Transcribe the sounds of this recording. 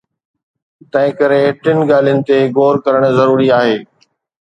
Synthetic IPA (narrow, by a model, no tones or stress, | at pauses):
t̪ɐ̃ɦɪ̃kɐɾeːʈɪnɪ̆ɡaːl̤ijənɪ̆t̪eɡoːɾkɐɾəɽ̃zɐɾuːɾiaːɦeː